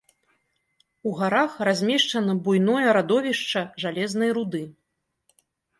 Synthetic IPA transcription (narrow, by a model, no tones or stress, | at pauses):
uɣaɾaxrazʲmʲɛʂt͡ʂɐnɐbujn̪ɔjɐɾad̪ɔvʲiʂt͡ʂɐʐalʲɛznɐjɾud̪ɨ